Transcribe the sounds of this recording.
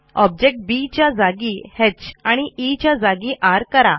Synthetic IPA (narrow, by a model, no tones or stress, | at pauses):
ɔb̚d͡ʑek̚ʈ̚bit͡ɕjad͡zaɡiːhet͡ɕaɽ̃iʔit͡ɕjad͡zaɡiːʔaɾkəɾa